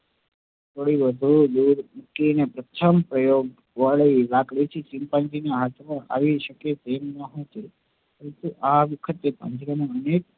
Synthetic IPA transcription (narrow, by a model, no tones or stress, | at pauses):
t̪ʰoɽiʋəd̪ʱud̪uɾmukinepɾət̪ʰəmpɾəjoɡ | ʋaɭilaɡɭit͡ʃʰesimpãnd͡ʒinaɦat̪ʰmãʔa̰ʋiʃəket̪emnəɦõt͡ʃʰe | pəɾənt̪uʔaʋəkʰət̪epə̰̃ɲd͡ʒɾamãənek̚